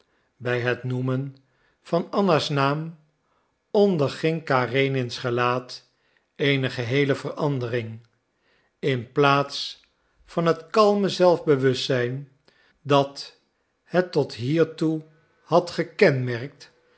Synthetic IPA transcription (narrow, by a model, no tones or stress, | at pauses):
bɛjɦətnumən | v̥ɑnɑnasnaːm | ɔndəɹχɪŋkaːrejnɪnsχəlaːt | ejnəχəɦejləvərɑndərɪŋ | ɪnplaːts | fɑnɦətkɑlˠməzɛlˠvbəʋɵstsɛjn | dɑt | hətɔtɦiːɹtu | hɑtχəkɛnmɛɹk̚t